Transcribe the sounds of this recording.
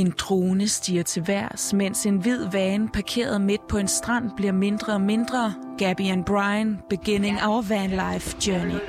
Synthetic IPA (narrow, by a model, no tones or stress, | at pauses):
e̝nd̥ʰʁoːnəsd̥ḭːɐt͡sʰe̝ʋæɐ̰smen̰se̝nʋið̞̰ˠʋɛːnpʰɑ̈kʰe̝̰ːɐð̞ˠme̝d̥̚pʰɒ̽e̝nsd̥ʁɑ̈n̰b̥liɐme̝nd̥ʁɐɒme̝nd̥ʁɐ | ɡ̥æb̥iænb̥ʁɑ̈ɪnb̥eɡ̥ene̝ŋɒʊʋænlɑɪfd̥jœɐni